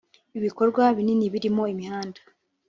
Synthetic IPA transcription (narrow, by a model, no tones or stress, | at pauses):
iβiko̞ɾɡwaβininiβiɾimo̞imihaːndḁ